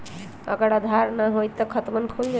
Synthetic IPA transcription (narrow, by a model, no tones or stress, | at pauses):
ə̰ɡəɾad̪ʱaɾnaɦojt̪əkʰət̪mənkʰojd͡ʒ